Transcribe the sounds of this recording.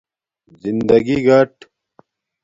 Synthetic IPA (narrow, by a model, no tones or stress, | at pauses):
zind̪ɐɡiɡɐʈ